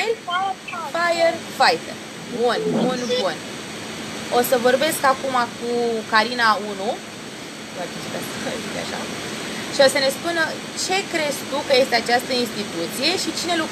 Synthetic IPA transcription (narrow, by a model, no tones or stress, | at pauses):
elfafajerfajt̪er | bunbunbun | o̞səvo̞rbe̞skakumakukaɾinaunu | at͡ʃiʃit̪asəzit̪ea̰ʃa̰ | ʃio̞səne̞spunə | t͡ʃe̞kɾe̞zt̪ukəje̞st̪eat͡ʃast̪əinst̪it̪ut̪sije̞ʃit͡ʃine̞luk